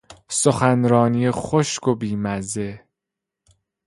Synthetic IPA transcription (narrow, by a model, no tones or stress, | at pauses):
soxænɾɒːnijexoʃkobiːmæze